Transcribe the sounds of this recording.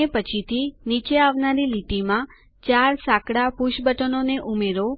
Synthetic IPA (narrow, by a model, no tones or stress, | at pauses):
epət͡ʃʰit̪ʰinit͡ʃeaʋnaɾiliʈimã | t͡ʃaɾsakɽapuʃbəʈənoneʔumeɾo